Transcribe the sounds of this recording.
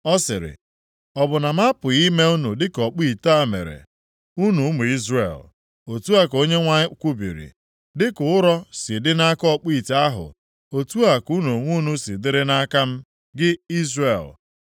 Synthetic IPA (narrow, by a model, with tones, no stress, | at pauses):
ɔ˦sɪ̰˨ɾɪ̰˨ | ɔ˨bʊ˨na˨m̩˦a˦pʊ˨i˦me˦u˦nu˨dɪ˦kɔ˨k͡pi˦˨ta˦˨mḛ˨ɾḛ˨ | u˦nu˨˦mu˨i˦zrḛ˨l | o˨tu˦a˦ko˦ɲe˦ŋʷa˦kʷu˦bḭ˨ɾḭ˨ | dɪ˦kʊ˨ʊ˦ɾɔ˦sɪ˨dɪ˦na˦kɔ˦k͡pi˦˨ta˦ɦʊ̰˨ | o˨tu˦a˨ku˦nu˨ŋʷu˦nu˦si˨dɪ˦ɾɪ˦na˦ka˦m̩˦ | ɡɪ˦i˦zre˨l